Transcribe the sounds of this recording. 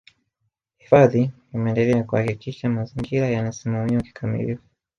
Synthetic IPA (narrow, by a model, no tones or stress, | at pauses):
hifaði | imɛɛndɛlɛakuhakikiʃamaziŋɡiɾajanasimamiɔki̥kʰamḭlifu